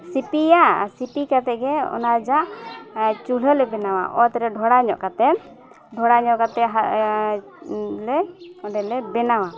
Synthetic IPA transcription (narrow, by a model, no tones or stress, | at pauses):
sipijasipikat̪ɛɡɛɔ̰nad͡ʒaʔ | t͡ʃuləlɛbɛnawa̰ʔɔt̪ɛɾɛɖʱɔɽaɲɔʔkat̪ɛ | ɖʱɔɽaɲɔʔkat̪ɛɦa | lɛɔɖɛlɛbɛnawa